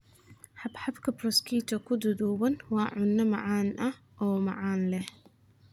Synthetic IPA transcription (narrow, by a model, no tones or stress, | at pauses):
ħɑbħɑbkʰɐbrɔskʰiːt̪ʰɐkʰʊd̪ʊdɔːwɐnwɑːʕʊnːɐmɑʕɑːnʔɐh | ʔɔːmɑ̰ʕɑːnlɛh